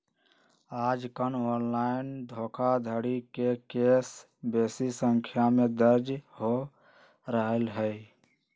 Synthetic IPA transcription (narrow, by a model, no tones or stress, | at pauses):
aːd͡ʒkənoːnlaːɪnd̪ʱoːkʰad̪ʱəɽikekeːs | beːsisəŋkʰjamẽd̪əɾd͡ʒho | ɾəɦəlɦɛ